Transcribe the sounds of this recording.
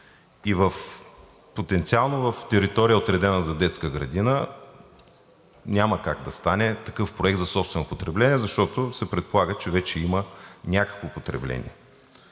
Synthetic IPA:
ivəf | pot̪ɛnt̪sialˠnovɐft̪ɛɾit̪ɔɾijəot̪ɾɛd̪ɛnəzɐd̪ɛt̪skəɡɾɐ̰d̪inə | nʲaməkaɡd̪ɐst̪anɛt̪ɐkɤfpɾoɛk̚t̪zɐsɔpst̪vɛnʊpot̪ɾɛblɛnʲiɛzɐʃt̪ɔt̪ʊsɛpɾɛt̪̚polˠaɡət͡ʃɛvɛt͡ʃɛimənʲakə̥kvopot̪ɾɛ̰blɛ̰nʲḭɛ

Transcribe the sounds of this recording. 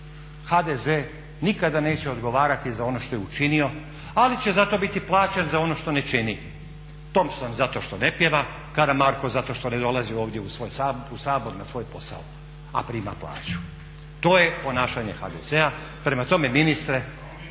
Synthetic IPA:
xad̪eze | nikad̪ane̞ːt͡ɕeo̞d̪ɡo̞ʋaːɾat̪izao̞no̞ʃt̪ojeut͡ʃinio̞ | alit͡ɕezat̪o̞bit̪iplˠaːt͡ɕanzao̞no̞ʃt̪o̞ne̞t͡ʃini | t̪o̞msonzat̪o̞ʃt̪o̞ne̞pjeʋa | kaɾamaɾko̞zat̪o̞ʃt̪o̞ne̞d̪o̞lˠazioːʋd̪jeusʋojsausaːbo̞ɾnasʋo̞jpo̞sa̰o | a̰pɾima̰plˠa̰ːt͡ɕu̥ | t̪o̞ːje̞po̞naːʃaɲe̞xa̰d̪ḛzea | pɾe̞mat̪o̞me̞minist̪ɾe

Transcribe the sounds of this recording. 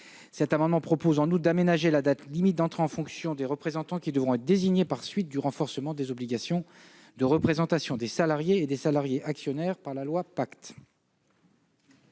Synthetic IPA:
sɛt̪amɑ̃d̪mɑ̃pχɔpozɑ̃nut̪̚d̪amenaʒelad̪at̪limit̪̚d̪ɑ̃t̪χeɑ̃fɔ̃ksjɔ̃d̪eʁəpχezɑ̃t̪ɑ̃kʲid̪əvʁɔ̃ɛt̪χd̪eziɲepaʁsɥit̪̚d̪yʁɑ̃fɔʁsəmɑ̃d̪ezɔbliɡʲasjɔ̃ | d̪əʁəpχezɑ̃t̪asjɔ̃d̪esalaʁjeːd̪esalaʁjeʔaksjɔnɛʁpaʁlalwapakt̪

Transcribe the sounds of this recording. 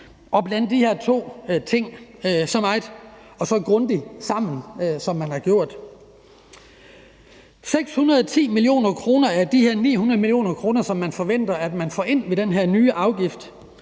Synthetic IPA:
ʔɒ̽b̥læn̰d̥ːiheɐ̰t͡sʰo̝̰ːt͡sʰe̝ŋ̰sɒ̽mɑ̈ɪd̥ | ɒ̽sɒ̽ɡ̥ʁɔnd̥isɑ̈m̰n̩sɒ̽mːænhɑ̈ɡ̥jo̝ɐ̰d̥ | seɡ̥shunɐð̞ˠɒt͡sʰḭːmilio̝̰ːnɐkʰʁo̝ːnɐæɐd̥iheɐ̰nḭːhunɐð̞ˠmilio̝̰ːnɐkʰʁo̝ːnɐsɒ̽mːænfɒ̽ʋen̰d̥ɐæd̥mænfɒ̰ːʔe̝n̰ʋe̝d̥enɦeɐ̰nyːʔɑ̈ʊɡ̥ifd̥

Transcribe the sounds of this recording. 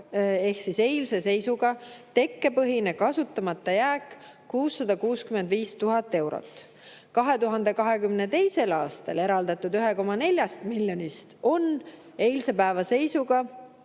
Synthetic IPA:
e̞hksise̞jlse̞se̞jsuɡ̥ɑt̪e̞kːe̞pɤɦine̞kɑsut̪ːˑɑmɑt̪ːˑɑjæːkː | uːsːɑd̪̥ɑkuːskymend̪viːst̪uɦɑt̪ːˑe̞wɾo̰t̪ːˑ | kɑɦe̞t̪uɦɑnd̪̥e̞kɑɦe̞kymne̞t̪e̞jse̞lɑːst̪ɑle̞ɾɑld̪̥ɑt̪ːˑud̪yɦe̞ko̞mːɑne̞lʲjɑst̪miljo̞nist̪o̞n | e̞jlse̞pæevɑse̞jsuɡ̥ɑ

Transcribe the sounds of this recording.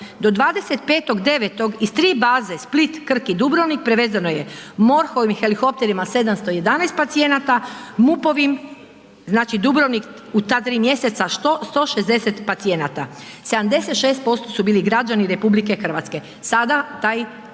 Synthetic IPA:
d̪o̞d̪ʋaːd̪e̞se̞t̪̚pe̞ːt̪o̞ɡd̪e̞ʋet̪o̞ɡist̪ɾiːbaːze̞split̪kr̩kid̪ubɾoʋnik̚pɾeʋe̞zanoje̞mo̞ɾxo̞ʋimxelixo̞p̚t̪e̞ɾimase̞d̪amst̪o̞je̞d̪anaest̪pat̪sije̞nat̪amupo̞ʋim | znaːt͡ʃid̪ubɾoʋnik | ut̪at̪ɾiːmje̞se̞t̪saʃt̪ost̪o̞ːʃezd̪e̞se̞t̪pat̪sie̞nat̪ase̞d̪amd̪e̞se̞t̪ʃe̞ːst̪̚po̞st̪o̞subiːliɡɾad͡ʒaniɾe̞publike̞xr̩ʋa̰t̪ske̞ | sad̪at̪aːj

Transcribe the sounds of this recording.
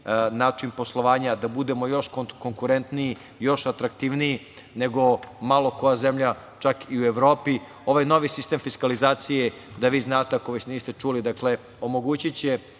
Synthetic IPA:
naːt͡ʂinpo̞slˠo̞ʋaːɲad̪abud̪e̞mo̞jo̞ʃkoko̞ŋkuɾe̞nt̪niji | jo̞ʃat̪ɾakt̪iːʋniji | ne̞ɡo̞malˠo̞ko̞jaze̞mʎa | t͡ʃakiue̞ʋɾo̞ːpi | o̞ʋajno̞ʋisist̪eːmfiskalizaːt̪sije | d̪aʋiːznaːt̪eakoʋesniːst̪et͡ʃuːlid̪akle̞ | o̞mo̞ɡuːt͡ɕit͡ɕe

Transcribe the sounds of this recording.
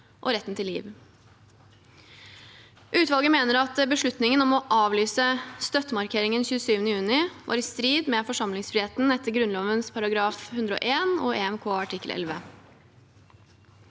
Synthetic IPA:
ʔɔ̰ɾɛt̪nt̪ʰɪlːiːʋ | ʔʉːt̪ʋɑlɡəmeːnəɾɑt̪bəʂɭʉt̪nɪŋənɔmɔʔɑːʋlyːsəst̪œt̪ːəmɑɾkʰeːɾɪŋənçʉːəsyːʋənəjʉːnɪʋʔɑ̰ːɾɪst̪ɾiːd̪mɛfɔʂɑmlɪŋsfɾɪheːt̪n̩ɛt̪ːəɾɡɾʉnloːʋənspʰɑɾɑɡɾɑːfhʉnd̪ɾəɔ̰ːʔeːnɔeːɛmkʰoːɑʈʰɪkːəlʔɛ̰lʋə

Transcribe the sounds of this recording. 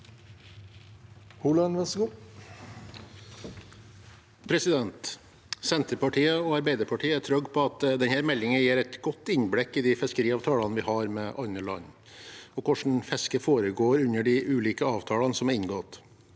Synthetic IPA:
huːlɑnʋɛsɡuː | pʰɾɛsɪd̪ɛnt̪ | sɛnt̪əɾpɑʈʰiːəɔɑɾbæɪd̪əɾpʰɑʈʰiːəæʈ̪ʰɾœɡpʰɔɑt̪d̪ɛnhæːɾmɛlːɪŋəjeːɾɛt̪ɡɔt̪ːɪnblɪkːɪd̪ifɛskəɾiːɑːʋt̪ʰɑːlɑnəʋɪhɑɾmɛʔɑnəlɑ̰nː | ɔkʊʂɳ̩fɛskəfoːɾəɡoːɾʉnəɖɪʔʉːliːkəɑːʋt̪ʰɑːlɑnsɔmɑɾɪnɡɔt̪

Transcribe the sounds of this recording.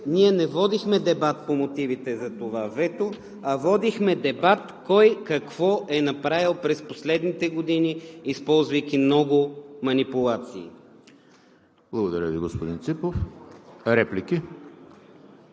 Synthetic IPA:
niɛnɛvɔd̪ixmɛd̪ɛbat̪̚pomot̪ivit̪ɛzɐt̪ovavɛt̪o | ɐvɔd̪ixmɛd̪ɛbat̪kɔjkɐkv̥ɔʔɛnɐpɾavilˠpɾɛsposlɛd̪nit̪ɛɡod̪iniːspɔlˠzvɐjk̟imnɔɡʊmɐnipulˠat̪siː | blˠɐɡod̪ɐɾʲəviɡospod̪int̪sipof | ɾɛpliki

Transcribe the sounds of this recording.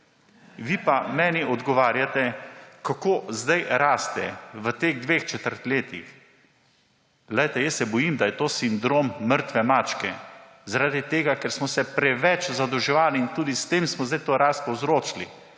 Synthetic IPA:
ʋipamɛːniʔɔd̪ɡɔʋaːɾjat̪ɛkakoːzd̪ajɾaːst̪ɛʋət̪eɣd̪ʋeːxt͡ʃɛt̪əɾt̪leːt̪ix | lɛjt̪ɛjəsːɛbɔjimd̪ajɛt̪oːsind̪ɾomːəɾt̪ʋɛmaːt͡ʃkɛ | zaɾaːd̪it̪eːɡakɛɾsmɔsɛpɾɛʋɛt͡ʃzad̪ɔwʒɛʋaːliːnt̪uːd̪ist̪eːmsmɔzd̪ajt̪oːɾaːst̪̚pɔwzɾoːt͡ʃli

